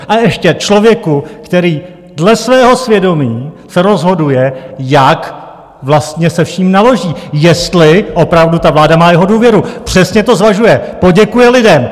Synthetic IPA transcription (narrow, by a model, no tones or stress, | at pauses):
ʔaɛʃcɛt͡ʃlo̞vjɛkukt̪ɛɾiː | dlɛsvɛːɦo̞svjɛdo̞miːsɛɾo̞zɦo̞dujɛjak | vlast̪ɲɛsɛfʃiːmnalo̞ʒiːjɛst̪lɪʔo̞pɾavdut̪avlaːdamaːjɛɦo̞duːvjɛɾupr̝̥ɛsɲɛt̪o̞zvaʒujɛpo̞ɟɛkujɛlɪdɛm